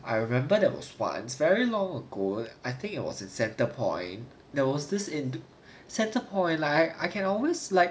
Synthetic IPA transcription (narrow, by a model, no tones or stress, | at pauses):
ʔa̰jɹimɛ̃mbədɛwɔ̰swã̰nsvɛɹilɔ̃ŋəɡoaɪθɪ̃ŋkɪt̚wɔ̰sɪ̃nsɛ̃ntəpʰɔ̰̃ɪ̃n | dɛwɔsdɪsɪ̃n | sɛ̃ntəpʰɔ̃ɪ̃nlaa̰ɪkʰɛ̃nɔlweslaɪk